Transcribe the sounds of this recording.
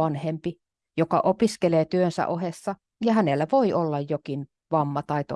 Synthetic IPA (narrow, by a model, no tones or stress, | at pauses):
ɑnhempi | jokɑ̰ʔopiskeleːt̪yønsæ̰ʔohesːɑ | jɑhænelːæʋoiʔolːɑjjokin | ʋɑmːɑt̪ɑit̪o̰